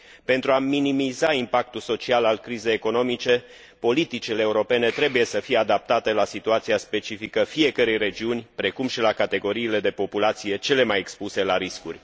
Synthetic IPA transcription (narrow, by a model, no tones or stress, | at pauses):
pe̞nt̪ɾuaminimizaimpak̚t̪ulso̞t͡ʃialalkɾize̞jeko̞no̞mit͡ʃe̞ | po̞lit̪it͡ʃile̞ːuɾo̞pe̞ne̞t̪ɾe̞buje̞səfijead̪ap̚t̪at̪e̞lasit̪uat̪siaspe̞t͡ʃifikəfije̞kəɾe̞jre̞d͡ʒiunʲpɾe̞kumʃilakat̪e̞ɡo̞ɾiːle̞d̪e̞po̞pulat̪sije̞t͡ʃe̞le̞maje̞kspuse̞laɾiskṵrʲ